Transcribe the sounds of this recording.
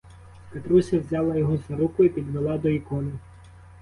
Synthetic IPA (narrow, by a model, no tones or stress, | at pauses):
pet̪ɾusʲɐwzʲaɑlˠɐjɔɦɔzɐɾukʊipʲid̪ʋelˠɑd̪ɔikɔnɪ